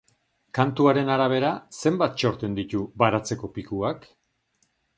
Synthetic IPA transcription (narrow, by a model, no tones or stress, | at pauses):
kant̪uaɾe̞naɾaβ̞e̞ɾase̞mbat̪̚t͡ʃo̞ɾt̪e̞nd̪it̪uβaɾat͡se̞ko̞pikuak